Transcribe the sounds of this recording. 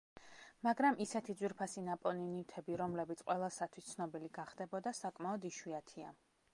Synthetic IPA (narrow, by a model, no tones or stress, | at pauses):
maɡɾamʔisɛt̪ʰid̪zwiɾpʰasinapʼɔninit̪ʰɛbiɾɔmlɛbit̪sʰʼqʼwɛlˠasat̪ʰwist̪sʰnɔbiliɡaχd̪̥ɛbɔd̪asakʼmaɔd̪iʃwiat̪ʰia